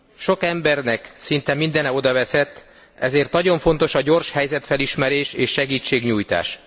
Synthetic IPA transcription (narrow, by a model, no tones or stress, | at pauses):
ʃo̞kɛmbɛrnɛksint̪ɛmind̪ɛnɛo̞d̪ɒvɛsɛt̪ː | ɛ̰zeːrt̪nɒɟo̞ɱfo̞nt̪o̞ʃɒɟo̞rʃhɛjzɛt̪fɛliʃmɛɾeːʃeːʃːɛɡiːt͡ʃːeːɡɲuːjt̪a̰ːʃ